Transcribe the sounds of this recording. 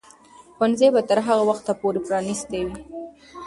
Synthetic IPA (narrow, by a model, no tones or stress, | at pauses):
xanzebat̪əɾɦaɣawaxt̪ːapoɾepɾɑnist̪ewi